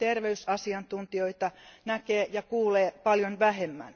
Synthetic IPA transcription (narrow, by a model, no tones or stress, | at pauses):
t̪erʋeysɑsiɑnt̪unt̪ioit̪ɑnækeːjɑkuːleːpɑljonʋæhemːæ̰n